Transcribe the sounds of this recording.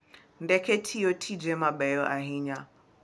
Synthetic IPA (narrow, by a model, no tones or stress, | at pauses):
ndɛkɛtʰijɔtʰid͡ʒɛmaɓɛjɔʔaɦiɲa